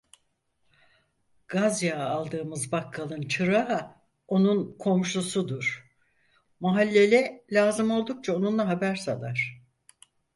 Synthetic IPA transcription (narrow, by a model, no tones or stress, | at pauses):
ɡ̥azjaːlˠd̪ɯːmɯzbakʰːalˠɯnt͡ʃʰɯɾaɦ | o̞nunkʰo̞mʃusud̪uɾ̥ | maɦalʲːe̞lʲɛlʲaːzɯmo̞lˠd̪uk̚t͡ʃʰaonunlˠaɦabæɾsalˠaɾ̝̥